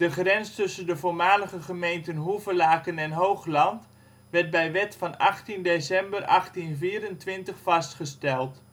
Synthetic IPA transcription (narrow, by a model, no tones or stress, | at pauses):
d̥əχrɛnstɵsəndəvoːɹmaːləɣəχəmejntənɦuvəlaːkənɛnɦowχlɑnt | ʋɛrt̚bɛjʋɛtfɑnɑχtindesɛmbərʔɑ̰χtinviːəɾəntʋɪntəχfɑstχəstɛlˠt